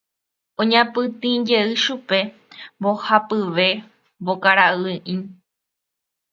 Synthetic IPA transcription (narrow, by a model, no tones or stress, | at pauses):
õɲãpɨt̪ĩd͡ʒe̞ɨʃupe̞ | mbohapɨʋe̞ | bokaɾaɨʔĩ